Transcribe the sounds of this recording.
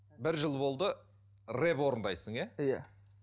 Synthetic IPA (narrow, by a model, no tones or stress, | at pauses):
bɪɾʒəlˠbo̞lˠd̪ə | re̞pwo̞ɾənd̪ɑjsəɴæjæ